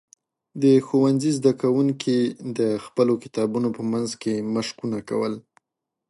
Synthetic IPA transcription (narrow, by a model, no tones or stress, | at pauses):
d̪əxowanzizd̪akawuŋkʰid̪əxpəlokɪt̪ɑbunopəmanzkeməʃkunaka̰wəl